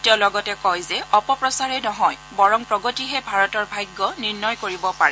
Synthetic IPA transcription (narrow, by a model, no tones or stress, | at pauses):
tɛlɔɡɔtɛkɔjzɛʔɔpɔpɹɔsaɹɛnɔɦɔjbɔɹɔŋpɹɔɡɔtiɦɛbʱaɹɔtɔɹbʱajɡːɔniɹnɔjkoɹibɔpaɹɛ